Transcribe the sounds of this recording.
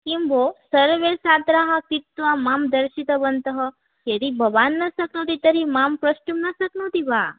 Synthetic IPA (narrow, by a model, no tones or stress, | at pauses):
kimbʱosəɾʋesat̪ɾaɦakit̪ʋamamd̪əɾʃit̪əbənt̪əɦə | jed̪ibʱəʋanːəsəknot̪it̪əɾimampɾəʃʈumnəsəknot̪iʋa